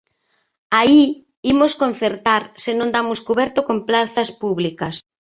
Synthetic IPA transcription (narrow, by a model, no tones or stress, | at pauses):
ai | imoskon̟θeɾt̪aɾsɪnõnd̪amʊskuβɛɾt̪ʊkomplaθɐspuβlikɐs